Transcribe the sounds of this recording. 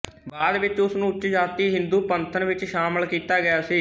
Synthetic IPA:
baːd̪ʋɪt͡ʃʊsnũːt͡ʃd͡ʒaːt̪iːɦɪ̃nd̪uːpənt̪ʰənʋɪt͡ʃʃaːməlkiːt̪aːɡɪjaːsiː

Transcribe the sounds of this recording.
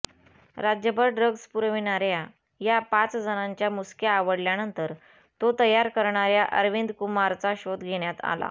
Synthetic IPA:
ɾad͡ʑjəbəɾɖɾəɡspuɾʋinaɾja | japat͡sd͡zənaɲt͡ɕjamuskjaːʋəɽljanənt̪əɾ | t̪ot̪əjaɾkəɾɳaɾjaʔəɾʋind̪kumaɾt͡saɕod̪ɡʱeɽjat̪a̰la̰

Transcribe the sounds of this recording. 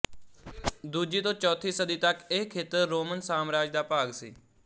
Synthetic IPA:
d̪uːd͡ʒiːt̪õːt͡ʃɔːt̪ʰiːsəd̪iːt̪əkɪkʰeːt̪əɾːoːmənsaːmɾaːd͡ʒd̪aːpaːɡsḭː

